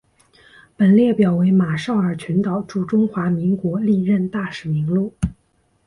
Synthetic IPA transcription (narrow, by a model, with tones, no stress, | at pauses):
pə˨˩nljɛ˥˩pjɑ˨˩ʊwe˧˥ɪma˨˩ʂɑ˥˩ʊə˞˨˩t͡ɕʰɥɛ˧˥nt̪ɑ˨˩ʊʈ͡ʂu˥˩ʈ͡ʂʊ˥ŋxwa˧˥mi˧˥ŋkwɔ˧˥li˥˧ɻə˥˧nt̪a˥˩ʂɻ̩˨˩mi˧˥ŋlu˥˩